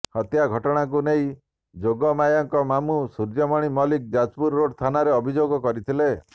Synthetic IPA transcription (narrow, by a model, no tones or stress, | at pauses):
hɔt̪jaɡʱɔʈɔɽ̃ak̬uneĩ | d͡ʒoɡɔmajɔŋkɔmamusuɾd͡ʒɔmɔɽ̃imɔlik̚d͡ʒad͡ʒpuɾːoɽst̪ʰanaɾeɔbʱid͡ʒoɡɔkɔɾit̪ʰile